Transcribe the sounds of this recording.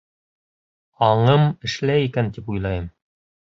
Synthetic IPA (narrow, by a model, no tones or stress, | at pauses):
ɑɴɤmɘ̆ʃlæjikænt̪ipujlˠɑjɤm